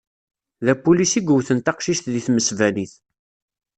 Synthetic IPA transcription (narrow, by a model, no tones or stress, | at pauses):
ðæpulisiɡəwθənt̪ɑqʃiʃt̪ðiθməsvæliθ